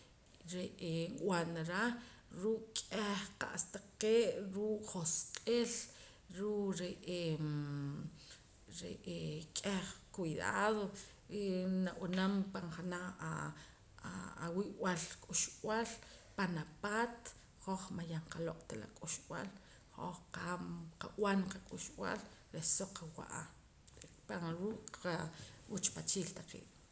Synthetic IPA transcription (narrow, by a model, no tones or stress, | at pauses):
ɾeʔeŋwanaɾaɾuʔkʼeχqa̰ʔst̪aqeːʔɾuːʔχosqʼel | ɾuʔɾeʔe | ɾḛʔekʼeχkwiða̰ːðo | enawanampaɴχanaa | awiʔwalkʼuʃwalpanapaːt̪ | χoχmajaɴqalokʼt̪ala̰kʼuʃwa̰l | ho̰χqamqaʔwanqakʼuʃw̰a̰lɾesoqʰawa̰ʔa | paɾuːkʼqaut͡ʃpat͡ʃiːlt̪aqḭːʔ